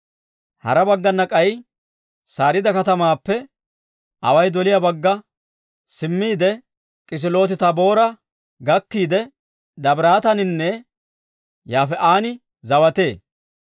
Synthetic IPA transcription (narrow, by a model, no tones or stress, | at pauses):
hɐ̰ɾɐbɐɡːɐnːɐkʼɐj | saːɾɪd̪ɐkɐt̪ɐmaːpːɛ | ʔɐ̰wɐjd̪ɔlɪjɐbɐɡːɐ | sɪmːiːd̪ɛ | kʼɪs̬ɪlo̞ːs̬ɪt̪ɐbo̞ːɾɐ | ɡɐkːiːd̪ɛ | d̪ɐbɾaːt̪ɐnɪnːɛ | jaːfɛʔaːnɪ | zɐwɐt̪e̞ː